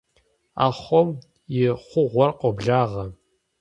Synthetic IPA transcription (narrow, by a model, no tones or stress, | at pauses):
a̰ːχʷɔm | jɪχʷʊʁʷɔrqʷʼɔbɮaːʁɐ